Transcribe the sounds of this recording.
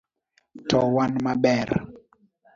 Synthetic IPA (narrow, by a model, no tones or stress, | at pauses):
tʰɔwanmaɓɛɾ